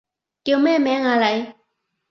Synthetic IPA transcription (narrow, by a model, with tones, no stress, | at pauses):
ki˨wmɛː˥˨mɛ˨˦ŋaː˨la˨j